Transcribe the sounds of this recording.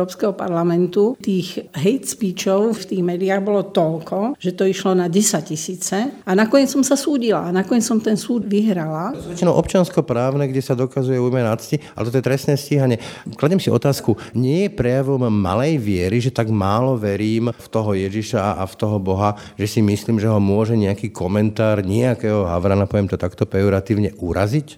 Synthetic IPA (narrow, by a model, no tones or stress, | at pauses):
ɔpskɛɦɔpa̰ɾlamɛnt̪ut̪iːɣɦɛjt̪spit͡ʃɔʊft̪iːɣmɛːd̪iaːɣbɔlɔt̪ɔlkɔʒ̥ɛt̪ɔiʃlɔnaɟɛsac̚cisiːt͡sɛanakɔɲɪɛt͡ssɔmsasuːɟila̰ːnakɔɲɛt͡ssɔmt̪ɛnsuːd̪ʋiɦɾalazʋɛt͡ʃinɔʊɔp̚t͡ʃɪanskɔpɾaːʊnɛɡɟɛsad̪ɔkazujɛuːjmɛnat͡scialɛt̪ɔt̪ɔjɛt̪ɾɛst̪nɛːsciɦaɲɛklaɟɛmsiɔ̰t̪aːskuɲɪɛjɛpɾɛjaʋɔmːa̰lɛjʋɪɛɾiʒɛt̪aɡmaːlɔʋɛɾiːmft̪ɔɦɔjɛʒiʃaaʔaft̪ɔɦɔbɔɦa | ʒɛsimisliːmʒɛɦɔmʊɔʒɛɲɛakiːkɔmɛnt̪aːɾɲiɛakɛːɦɔɦa̰ʋɾaːnapɔʋjɛmt̪ɔt̪akt̪ɔpɛɔɾat̪iːʊɲɛʔuɾa̰zic